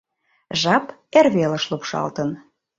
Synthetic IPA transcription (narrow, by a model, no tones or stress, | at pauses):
ʒɑperβelə̆ʃlupʃɑ̰lt̪ən